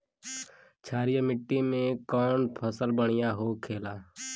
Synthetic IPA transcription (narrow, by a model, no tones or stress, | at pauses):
t͡ʃʰaːɾɪjəmɪʈːimẽkɔːnpʰəsəlbəɽɪjaːɦoːkʰeːlaː